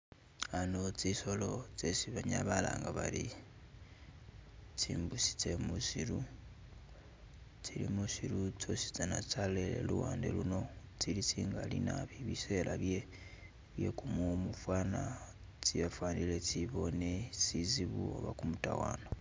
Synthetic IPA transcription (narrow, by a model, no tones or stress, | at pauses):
anot͡siso̞lo̞t͡sesiβaɲaβala̰ːŋɡaβali | t͡siːmbusi̥t͡se̞musiɾu | t͡silḭmusiɾut͡so̞si̥t͡sanat͡salelḛluwaːndḛluno̞t͡silit͡siːŋɡalinaβiβise̞laβje̞ | βje̞̰kumomufwana | t͡siβafwaːndilet͡siβo̞ne̞t͡siziβuo̰βa̰kumutawaːno